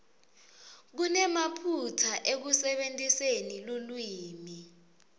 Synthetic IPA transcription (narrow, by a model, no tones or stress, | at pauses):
k̬unɛmapʰutʰaʔek̬usɛɓentʼisenilulwiːmi